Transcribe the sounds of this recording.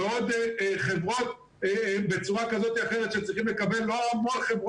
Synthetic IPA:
eod̪χe̞vʁo̞t̪ | bet͡suʁakazo̞t̪iaχeʁet̪ʃet͡sʁiχimlekabe̞lːo̞amo̞nχevʁ

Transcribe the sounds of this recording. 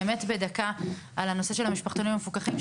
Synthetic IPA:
me̞tbe̞daka | alano̞se̞ʃelhamiʃpaχt̪o̞nimamefukaχim

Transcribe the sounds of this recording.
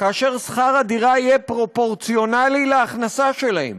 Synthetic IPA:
kaːʃeʁsχaʁadiʁaijɛpʁo̞po̞ʁt͡sio̞nalilaːχnasaʃe̞lahḛm

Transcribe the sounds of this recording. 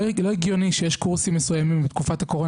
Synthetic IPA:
lo̞iɡjo̞niʃejeʃkuʁsimːesujamimbet̪kufathako̞ʁo

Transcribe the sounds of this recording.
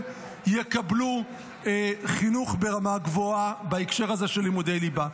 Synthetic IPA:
jekablu | χinuχbe̞ʁamaɡvoabaekʃe̞ʁhaze̞ʃelːimudejliba

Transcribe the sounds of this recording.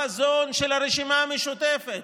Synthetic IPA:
azonʃelaɾeʃimaːmeʃut̪efet̪

